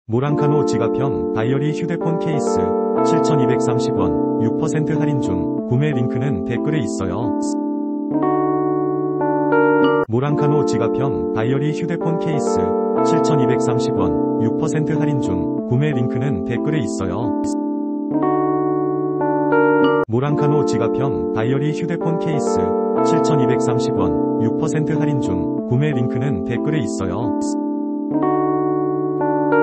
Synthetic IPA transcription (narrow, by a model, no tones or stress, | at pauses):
moɾaŋkʰanot͡ɕiɡapʰjʌn | pajʌɾiçjude̞pʰonkʰeis͈ʰɯ | t͡ɕʰiɭt͡ɕʰʌnibe̞k̚s͈amɕʰiɡwʌ̰n | juk̚pʰʌsʰe̞ntʰɯsʰaɾind͡ʑuŋ | kume̞ɾiŋkʰɯnɯnte̞k͈ɯɾe̞is͈ʌ̰jo̰ | moɾaŋkʰanot͡ɕiɡapʰjʌn | pajʌɾiçjude̞pʰonkʰeis͈ʰɯ | t͡ɕʰiɭt͡ɕʰʌnibe̞k̚s͈amɕʰiɡwʌ̰njuk̚pʰʌsʰe̞ntʰɯsʰaɾind͡ʑuŋ | kume̞ɾiŋkʰɯnɯnte̞k͈ɯɾe̞is͈ʌ̰jo̰ | moɾaŋkʰanot͡ɕiɡapʰjʌn | pajʌɾiçjude̞pʰonkʰeis͈ɯ | t͡ɕʰiɭt͡ɕʰʌnibe̞k̚s͈amɕʰiɡwʌ̰n | juk̚pʰʌsʰe̞ntʰɯsʰaɾind͡ʑuŋ | kume̞ɾiŋkʰɯnɯnte̞k͈ɯɾe̞is͈ʌ̰jo̰